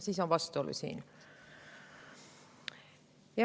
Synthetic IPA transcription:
sisoʋʋɑst̪ˑuo̰lːṵsḭːn | jɑ

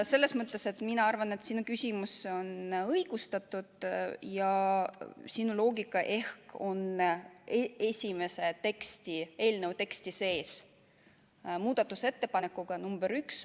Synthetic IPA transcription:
se̞lːe̞smɤt̪ːˑe̞se̞t̪minɑɑrvɑne̞t̪sinukysʲimuso̞nɤjɡ̥ust̪ɑt̪ːud̪̥jɑ | sinulo̞ːɡikːˑɑʔe̞hko̞neesʲime̞se̞t̪e̞kst̪ie̞ːlnewt̪e̞kst̪ise̞ːs | muːd̪̥ɑt̪ːˑuse̞t̪ːe̞pɑnekːˑuɡ̥ɑnumb̥eɾyks

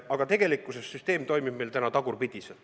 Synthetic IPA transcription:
ɑɡ̥ɑt̪e̞ɡ̥e̞likːˑusesːyst̪e̞ːmt̪o̞jmib̥̚mejlt̪ænɑt̪ɑɡ̥urpid̪̥ʲise

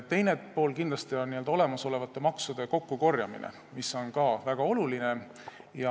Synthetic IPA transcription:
t̪ːe̞jne̞po̞ːlkind̪lɑst̪io̞nnield̪ɑo̞le̞mɑso̞le̞vɑt̪ːˑe̞mɑksud̪̥e̞ko̞kːuko̞rjɑmḭnḛ | miso̞nkɑvæɡ̥ɑo̞luline̞ | jɑ

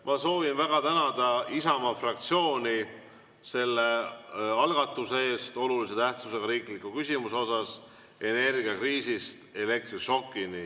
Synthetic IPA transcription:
mɑso̞ːvinvæɡ̥ɑt̪ænɑd̪̥ɑisɑmɑfrɑk̚t̪sio̞ːni | se̞lːe̞ɑlɡ̥ɑt̪ːˑusee̞ːst̪o̞lulise̞t̪æht̪suse̞ɡɑɾiːklikːˑukysʲimuseo̞sɑs | e̞ne̞rɡ̥iɑkriːsist̪e̞le̞k̚t̪riʃo̞kˑːini

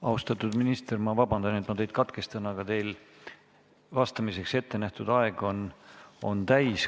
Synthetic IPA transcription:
ɑust̪ɑt̪ːˑud̪̥minist̪ermɑvɑbɑnd̪ɑnet̪mɑt̪e̞jd̪̥kɑt̪ke̞st̪ɑnɑɡ̥ɑt̪e̞jl | vɑst̪ɑmise̞kse̞t̪ːe̞næht̪ud̪̥ɑeɡ̥o̞no̞nt̪æjs

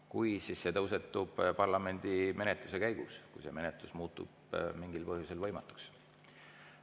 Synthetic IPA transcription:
kujsisːe̞t̪ɤws̬e̞t̪ːˑub̥pɑrlɑme̞nʲd̪̥ime̞net̪ˑluse̞kæjɡ̥uskujse̞me̞net̪ˑlusmuːt̪ːˑṵb̥̚ | miŋɡilpɤɦjuse̞lvɤjmɑt̪ːˑu̥ks

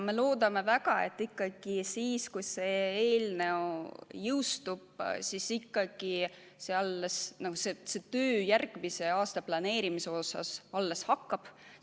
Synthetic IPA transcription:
me̞loːd̪̥ɑme̞væɡ̥ɑe̞̰t̪ˑːikːɑɡ̥isiːskujse̞eːlne̞ojɯwst̪ub̥sisikːɑɡ̥i | seɑlːesnɑɡ̥usese̞t̪øːjærɡ̥mise̞ɑːst̪ɑplɑne̞ːɾimiseo̞sɑ̰sɑlːe̞shɑkːɑb̥

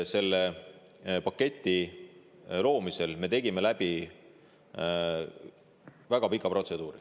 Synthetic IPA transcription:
se̞lːe | pɑkːe̞t̪ʲˑːi | lo̞ːmise̞lme̞t̪e̞ɡime̞læb̥i | væɡ̥ɑpikːˑɑpro̞t̪se̞d̪̥uːɾi

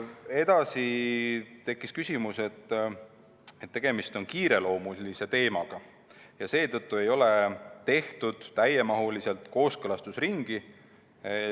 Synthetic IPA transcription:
e̞d̪̥ɑsi | t̪e̞kːˑiskysʲimuse̞t̪ː | et̪ːe̞ɡ̥e̞mist̪o̞nkiːɾe̞lo̞ːmulise̞t̪e̞ːmɑɡ̥ɑ | jɑse̞ːt̪ɤt̪ˑːue̞jo̞le̞t̪e̞ht̪ud̪̥t̪ːæje̞mɑɦulise̞lt̪ko̞ːskɤlɑst̪usriŋɡ̥i

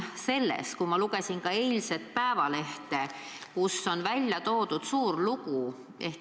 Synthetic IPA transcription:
se̞lːḛskumɑluɡe̞sinkɑe̞ːlʲse̞t̪̚pæevɑle̞ht̪e̞ | kusːo̞nvælʲjɑt̪o̞ːd̪̥ud̪̥suːrluɡ̥u | eh

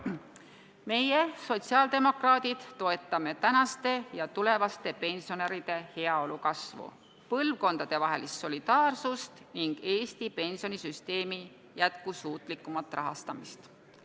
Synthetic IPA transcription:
me̞jeso̞t̪ʲsiɑːld̪̥e̞mo̞krɑːd̪̥id̪̥t̪ːo̞e̞t̪ːˑɑme̞t̪ænɑst̪e̞jɑt̪ule̞vɑst̪e̞pe̞nʲsio̞neɾid̪̥e̞he̞ɑo̞lukɑsvṵ | pɤlvko̞nd̪̥ɑd̪̥e̞vɑɦelist̪so̞lʲid̪̥ɑːrsust̪niŋɡ̥e̞ːst̪ipe̞nsio̞nisyst̪e̞ːmi | jæt̪kusuːt̪ˑlikːˑumɑlt̪ːˑrʔɑɦɑ̰st̪ɑmist̪

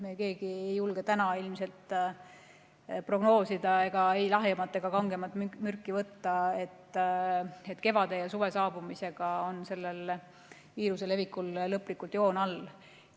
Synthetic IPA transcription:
meke̞ːɡ̥iejːulɡe̞t̪ænɑilmse̞lt̪ːˑ | pro̞ɡ̥no̞ːsid̪ɑe̞ɡ̥ɑejlɑɦemɑt̪ːˑe̞ɡ̥ɑkɑŋɡ̥e̞mɑt̪ˑmymyrkːˑivɤt̪ːɑe̞t̪ː | et̪ːˑke̞vɑd̪̥e̞jɑsuve̞sɑːbumise̞ɡ̥ɑo̞nse̞lːe̞l | viːɾuse̞le̞vikːˑulːɤpːˑlikːˑult̪jo̞ːnɑl

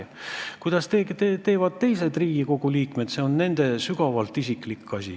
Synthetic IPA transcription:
kujd̪̥ɑst̪eːt̪et̪e̞ːvɑd̪̥̚t̪e̞jse̞d̪riːɡ̥iko̞ɡ̥uliːkme̞d̪se̞o̞nːe̞nd̪̥e̞syɡ̥ɑvɑlt̪ːˑisikˑlikːɑsʲḭ

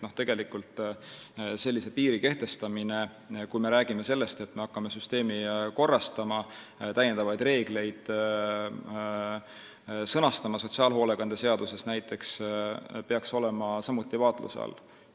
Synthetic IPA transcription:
no̞ht̪e̞ɡ̥e̞likult̪ˑ | se̞lʲːise̞piːɾike̞ht̪e̞st̪ɑmine̞ | kujme̞ɾæːɡ̥ime̞se̞lːe̞st̪e̞t̪me̞ɑkːɑme̞syst̪e̞ːmiko̞rːɑst̪ɑmɑ | t̪æje̞nd̪ɑvɑjd̪re̞ːɡ̥le̞jd̪̥ | sɤnɑst̪ɑmɑso̞t̪siɑːlɦo̞ːle̞ɡɑnd̪̥e̞se̞ɑd̪̥use̞snæjt̪ːˑe̞ks | pe̞ɑkso̞le̞mɑsɑmut̪ːˑivɑːt̪ˑlṵseɑ̰lː

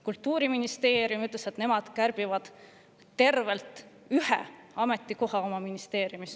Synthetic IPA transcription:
kult̪ːuːɾiminist̪e̞ːɾjumyt̪ːˑleset̪ne̞mɑd̪̥kærb̥ivɑd̪̥ | t̪e̞rve̞lt̪ˑ | yhḛɑme̞t̪ˑːiko̞ɦɑo̞mɑminist̪e̞ːɾiumis

